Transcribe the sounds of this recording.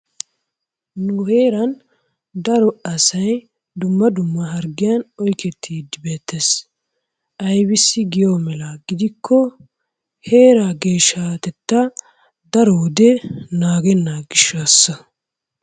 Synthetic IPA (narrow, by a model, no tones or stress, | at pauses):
nʊhe̞ːɾɐn | d̪ɐɾɔɐsɐj | d̪ʊmːɐd̪ʊmːɐɦɐɾɡɪjɐnɔjkɛt̪ʰːiːd̪ɪbe̞ːt̪ʰːes | ʔɐjbɪsːɪɡɪjoːmɛlaɡɪd̪ɪkʰːɔ | he̞ːɾaɡe̞ːʃaːt̪ɛt̪ːɐ | d̪ɐɾɔwd̪ɛnaːɡɛnːaɡɪʃːaːsːɐ